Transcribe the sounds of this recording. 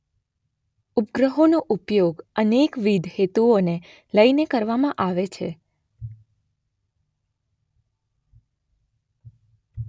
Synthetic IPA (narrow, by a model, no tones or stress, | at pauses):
upɡɾəɦonoʔupjoɡənekʋid̪ʱhet̪uone | ləjnekəɾʋamãʔaʋet͡ʃʰḛ